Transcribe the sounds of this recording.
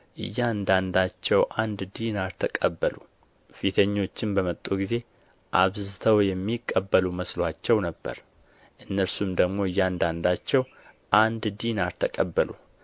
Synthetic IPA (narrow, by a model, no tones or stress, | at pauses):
ʔɨ̰jːand̪and̪at͡ʃːɛwʔand̪d̪inalt̪ʰəkʼəbːəlṵ | fit̪ʰəɲːo̞t͡ʃːɪnbəmət̪ʼːuɡize̞ | ʔa̰βzɨt̪ʰəwjɛmːikʼːəbːəluməslat͡ʃːɛwnəbːə̰ɾ | ʔɨnːəɾsumd̪əɡmo̞ɨjːand̪and̪at͡ʃːɛw | ʔand̪d̪inalt̪ʰəkʼəbːəlṵ